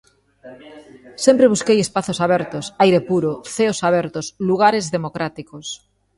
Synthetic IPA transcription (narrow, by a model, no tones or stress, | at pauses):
sẽmpɾeβ̞uskejespaθosaβ̞ɛɾt̪osajɾepuɾoθeosaβ̞ɛɾt̪osluɣ̞aɾezðemokɾat̪ikos